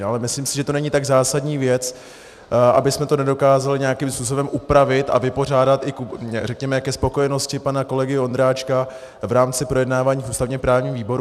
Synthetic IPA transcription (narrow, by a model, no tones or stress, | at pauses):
ʔalɛmɪsliːmsɪʒɛt̪o̞nɛɲit̪aɡzaːsadɲiːvjɛt͡s | ʔa̰bɪsmɛt̪o̞nɛdo̞kaːzalɪɲɛjakimspuːso̞bɛmʔupɾavɪt̪ʔa̰vɪpo̞r̝aːdat̪ɪkrɛkɲɛmɛkɛspo̞ko̞jɛno̞scɪpanako̞lɛɡɪo̞nd̪ɾaːt͡ʃka | vɾaːmt͡sɪpɾo̞jɛdnaːvaːɲiːfuːst̪avɲɛpɾaːvɲiːmviːbo̞ɾu